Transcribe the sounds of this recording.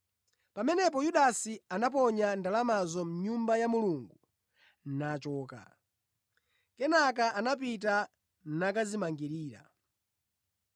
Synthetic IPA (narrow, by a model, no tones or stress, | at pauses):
pamɛnɛpɔjuɗasianap̬ɔɲandalamazɔm̩ɲumbajamuluŋɡu | nat͡ʃɔːka̰ | kɛnak̬aʔanap̬it̬a | nak̬azimaŋɡiɾiːɾa̰